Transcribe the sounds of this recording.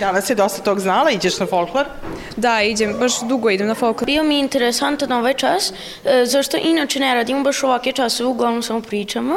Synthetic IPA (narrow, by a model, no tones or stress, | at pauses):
d̪anasjed̪ost̪ḁt̪oːɡznaːlˠaid͡ʑeʃnafolˠkloɾ | d̪aid͡ʑembaʃd̪uɡoid̪emnafolklobiomiint̪eɾesant̪anoʋaːjt͡ʃas | zaʂt̪o̞ʔinaːt͡ʃeneɾaːd̪imobaʃoʋaket͡ʃasoʋeuɡlˠaʋnomsamopɾiːt͡ʃama